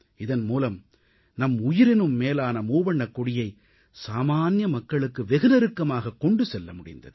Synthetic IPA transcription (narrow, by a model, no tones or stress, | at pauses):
ɪðɐnmuːlɐm | nɐmʊjɪɾɪnɯmːeːlaːnɐmuːʋɐɳːɐkːɔɽɪjɐɪ | saːmaːnjɐmɐkːɐɭɯkːɯʋɛɣɯnɐɾɯkːɐmaːɣɐkːɔɳɖɯsɛlːɐmʊɽɪ̰nd̪ɐ̰ðɯ